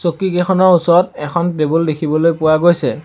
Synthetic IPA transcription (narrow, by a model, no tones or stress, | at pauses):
sokiɡɛxʰɔnɔusɔɹɔtɛxʰɔntɹebuldekʰibɔlojpʊwaɡojsɛ